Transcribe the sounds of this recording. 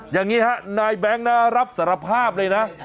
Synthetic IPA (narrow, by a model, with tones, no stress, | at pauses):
jaː˨˩ŋːiː˦˥ha˦˥naː˧jbɛ˦˥ŋna˦˥ɾa˦˥p̚sa˨˩˦ɾa˧pʰaː˥˩p̚lɤː˧jna˦˥ʔ